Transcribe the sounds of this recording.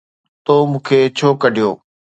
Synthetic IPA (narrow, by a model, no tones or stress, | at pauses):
t̪oːmũːkʰeːt͡ɕʰoːkəɖʱijo̰ː